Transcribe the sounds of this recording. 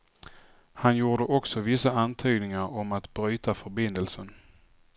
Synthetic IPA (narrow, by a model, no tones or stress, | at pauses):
hanjuːɖəʔɔksɔvɪsaant̪ʰyːɡnɪŋaɾɔmat̪bɾyːt̪afœɾbɪnd̪əlsən